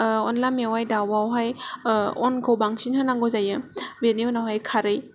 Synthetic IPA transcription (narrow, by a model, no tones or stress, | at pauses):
ɔnlajmewajdawwawɦaj | ɔnɡʰowbaŋsinhɯnaŋɡozajɯbeniunawɦajkʰaɾɯj